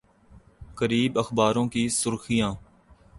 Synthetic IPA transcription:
kəɾiːbəxbaːɾõːkisʊɾxijãː

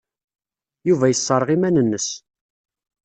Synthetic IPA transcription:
juvæjəsˤːɑɾˤʁimænənːəs

